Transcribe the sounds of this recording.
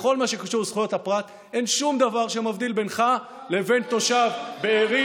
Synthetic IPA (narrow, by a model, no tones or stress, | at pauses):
χo̞lmaʃe̞kaʃuʁzχujo̞t̪hapʁat̪ | e̞nʃumd̪avaʁʃemavd̪ilbe̞nχa | le̞ve̞nt̪o̞ʃavbeːʁi